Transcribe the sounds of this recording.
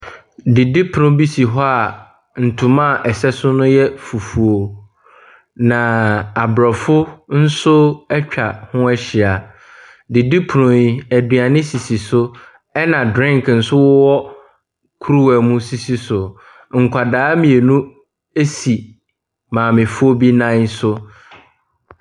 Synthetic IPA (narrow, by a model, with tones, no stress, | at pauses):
di˨di˦pʰʊ˨nʊ̃˦bi˦si˨ɦɔ˦a˨ | n̩˨tʰʊ̃˨mã˦˨ʔɛ˨sɛ˦sʊ˦nʊ̃˦jɛ˦fu˨fu˨o˨ | nã˨a˨bɾɔ˨fʊ˦n̩˦sʊ˦ɛ˦t͡ɕᶣʰa˨hʊ̃˦ɛ˦ɕɪ˨a˨ | di˨di˦pʰʊ˨nʊ̃˨ji˨æ˨dɥa˨nɪ̃˦si˨si˨sʊ˦ | ɛ˦nã˨dɾɪ̃˦ŋkʰn̩˨sʊ˦wʊ˦wɔ˦ | kʰu˦ɾu˦wæ˨mũ˦si˨si˦sʊ˨ | ŋ̩˨kʰʷa˨daː˨˦mĩ˨e˨nũ˦ | e˦si˨ | mãː˨mɪ̃˨fʊ˦o˦bi˦nã˦sʊ˦